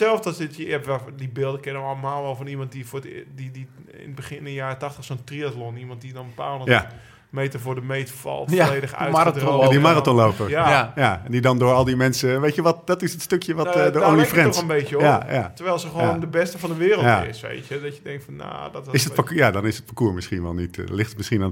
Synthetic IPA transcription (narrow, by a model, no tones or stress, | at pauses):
sɛlˠfsdɔsɪtəjɛʋɛdibɪlˠdəkɪnəəɔlˠəmalˠʋɔlˠfɔnimɔnt̚difodidiɪ̰nəbəxɪnɪnəjaːrətaxtəxsontriatlonimɔnt̚didɔnbəpaːlˠəj | mejtəfʊːdəmejtəfɔ̰lˠtleːdəxa̰jtdimaratɔnloːpəaajandidɔndʊːɹɔlˠdimɛnsəʋejtjəʋɔtdɔtɪsətstøkjəʋɔtdəolifrɛɔxənbejjəjajatəɹʋɛjlˠsəxəʋːndəbɛstəfɔndəʋɪːrəlˠttaɪ̰sʋḛjtədɔtjədɛŋktfɔnːa̰dɔtɪsətpajadɔnɪsət̚pakuːmɪsχinʋɛ̰lˠnitlɪxtətmɪsχinan